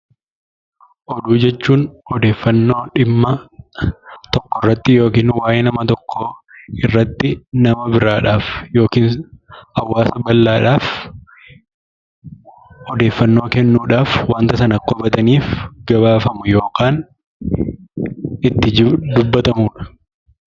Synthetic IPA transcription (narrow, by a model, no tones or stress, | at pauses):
ʔɔd̪uːd͡ʒɛt͡ʃːuːnhɔd̪e̞ːfːɐnːo̞ːᶑɪmːɐ | t̪ɔkːɔrːɐt̪ːɪjo̞ːkiːnwaːjeːnɐmɐt̪ɔkːɔɪrːɐt̪ːɪnɐmɐbɪɾaːᶑaːfjo̞ːkiːnɐwːaːsɐbɐlːaːᶑaːf | hɔd̪e̞ːfːɐnːo̞ːkɛnːuːᶑaːfwaːnt̪ɐsɐnɐkːɔbɐt̪ɐniːfɡɐbaːfɐmʊjo̞ːkaːn | ɪt̪ːɪd̪ʊbːɐt̪ɐmuːᶑɐ̥